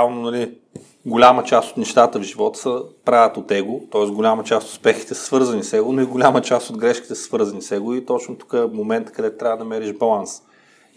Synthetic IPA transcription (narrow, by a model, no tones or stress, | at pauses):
alˠnonɐli | ɡolʲamət͡ʃast̪o̥t̪nɛʃt̪at̪əvʒivɔt̪ə̥səpɾavət̪ot̪ːɛɡʊt̪ɔɛsɡolʲamət͡ʃast̪t̪spɛxi̥t̪ɛsə̥svɤɾzɐnisɛɡonoiɡolʲamət͡ʃast̪od̪ɡɾɛʃkʲi̥t̪ɛsə̥svɤɾzɐnisɛɡoit̪ɔt͡ʃnot̪u̥kəɛmomɛnt̪ə̥kɐd̪ɛt̪t̪ɾʲavəd̪ɐmɛɾiʒbɐlˠans